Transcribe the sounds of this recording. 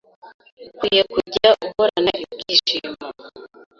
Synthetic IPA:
kwije̞kuɟaʔukoɾanaʔiɡiːʃima

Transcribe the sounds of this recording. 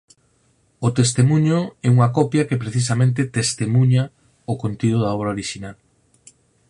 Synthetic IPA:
ʊt̪est̪emũɲoɛuŋɐkɔpjɐkepɾeθisamẽnt̪̬et̪est̪emuɲa | okont̪iðʊðaɔβɾaoɾiʃinal

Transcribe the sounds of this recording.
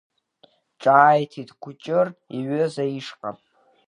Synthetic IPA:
ʈ͡ʂʼaːjtʰitʰʼkʷʰʊt͡ʃʼɨriɥøzaiʂqʼa̰

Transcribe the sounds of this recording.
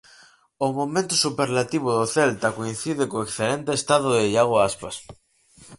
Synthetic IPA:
omomẽnt̪osupeɾlat̪iβ̞oðoθelt̪akoin̟θiðekoeksθelẽnt̪eːst̪aðoðeʎaɣ̞oaspas

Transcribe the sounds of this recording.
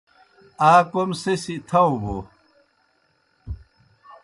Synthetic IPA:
aːkomsesit̪ʰɐwbo

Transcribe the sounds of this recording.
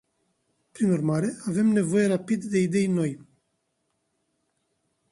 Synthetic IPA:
pɾinurmaːɾe̞ave̞mnevo̞jeɾapid̪d̪e̞id̪e̞jnːo̞j

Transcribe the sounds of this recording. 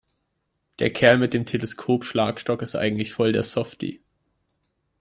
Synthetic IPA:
d̥eːɐkʰɛɐlmɪt̚d̥eːmtʰeləskʰoːpʃla̰ːkʃtɔkɪstʔa̰ɪŋ̩tlɪçfɔldeːɐsɔftḭ

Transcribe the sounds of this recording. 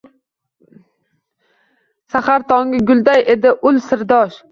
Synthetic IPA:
saχaɾt̪ʰɒŋʲɪɡʲʊlˠd̪aje̞d̪ɪʔʊlsɪɾd̪ɒʃ

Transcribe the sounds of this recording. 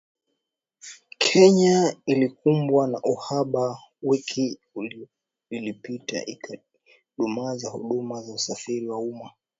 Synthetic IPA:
kʰɛɲailikumbwanaʔuhaɓa | wikʰi | ul | ilipita̰ʔik | ɗumazahṵɗumazausafiɾiwauma

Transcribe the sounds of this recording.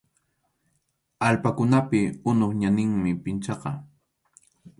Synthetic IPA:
alpakʊnapɪʊnoχɲanɪŋmɪpɪnt͡ʃɑqɑ

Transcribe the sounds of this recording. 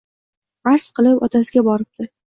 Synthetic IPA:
ʁaɾsqɨlˠɪpɒt̪ʰasɪɡʲabɒɾɪp̚d̪̥ɪ

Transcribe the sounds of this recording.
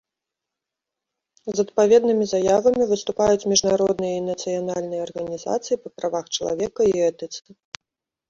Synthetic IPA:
zɐt̪̚pavʲɛd̪nɨmʲizajavɐmʲivɨst̪upajut͡sʲmʲiʐnaɾɔd̪nɨjɐinɐt̪sɨjanalʲnɨjɐɐrɣɐnʲiza̰t̪sɨjipɐpɾavaxt͡ʂɐlˠa̰vʲɛkɐiɛt̪ɨt̪sɨ

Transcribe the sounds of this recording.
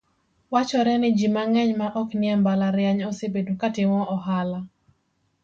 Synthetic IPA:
wat͡ʃɔɾɛnɪd͡ʒimaŋɛɲmaʔɔknɪɛmbalaɾjaɲɔsebedukatɪmɔʔɔɦala

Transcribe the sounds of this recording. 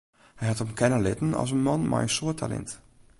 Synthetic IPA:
hɛjhatɔpnkʰɛnəlɪtn̩ɔ̰s̬ənmɔnmʔa̰jənsoətʰalɛ̰nt

